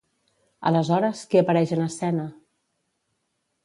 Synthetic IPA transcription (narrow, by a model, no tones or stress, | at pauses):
ə̰ləzɔɾəskeəpəɾɛʒənəsɛnə